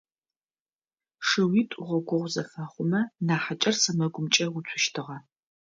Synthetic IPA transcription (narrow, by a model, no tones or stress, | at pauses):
ʂɨwitʷʼʊʁʷɔɡʷɔʁʷzɐfɐːχʷʊmɐnaːħat͡ʃʼɐrsɐmɐɡʷʊmt͡ʃʼɐwʊt͡sʷʰʊʃtʰɨʁɐ